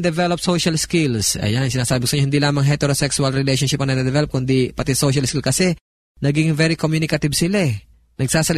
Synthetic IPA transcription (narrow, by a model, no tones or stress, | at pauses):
d̪ɛvɛlopsoʃɐlskilsɐ̰jansɪnaːsaːbɪkʊ̥sɐɲohɪnd̪ilaːmɐŋɦɛt̪ɛɾosɛksʊɐlɹɪlɛjʃonʃɪpɐnɐd̪ɐd̪ɛvɛlop̚kʊnd̪ipɐt̪isoʃɐlskilkɐsɛ | nɐɡiɡŋvɛɾikomjunɪkɐt̪ɪbsɪla | nɐɡsaːsɐl